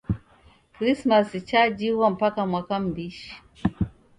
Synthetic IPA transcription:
kɾismasit͡ʃad͡ʒiwam̩pakamwakambiʃ

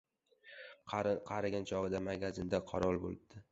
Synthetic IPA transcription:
qʰɑɾɪɡʲɪnt͡ʃʰɒʁɨd̪amaɡʲazɪnd̪aqʰɑɾɒlˠbo̰lˠɪb̚d̪̥ɪ

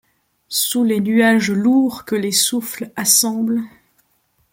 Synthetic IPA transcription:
sulenyaʒluʁkəlesuflasɑ̃bl

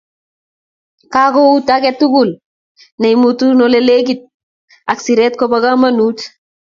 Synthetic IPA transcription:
kakoutakɛtːukul | nejmutunɔlɛlek̬it̚ | aksiɾɛt̚kɔbakamanut

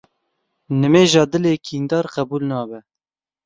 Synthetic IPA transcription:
nɨmeːʒɑːd̪ɨleːkʰiːnd̪ɑːɾqɛbuːlnɑːbɛ

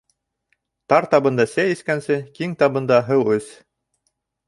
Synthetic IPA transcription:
t̪ɑɾt̪ɑβɤ̆nd̪ɑsæjɘ̆skænsɘkiŋt̪ɑβɤ̆nd̪ɑɦɤwɵz

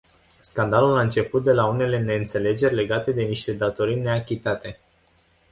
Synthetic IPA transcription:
skand̪alulaɨnt͡ʃe̞put̪̚d̪e̞laune̞le̞ne̞ɨnt̪se̞le̞d͡ʒe̞rʲle̞ɡat̪e̞d̪e̞niʃt̪e̞d̪at̪o̞ɾine̞akʲit̪at̪e̞

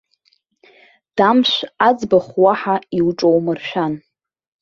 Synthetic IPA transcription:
d̥amʃʷad͡zbaχwaħaiwʈ͡ʂʼowmɨrʃᶣan

